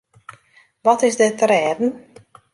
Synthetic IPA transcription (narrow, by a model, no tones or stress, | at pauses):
ʋɔtɪzdɪtəɾɛːdn̩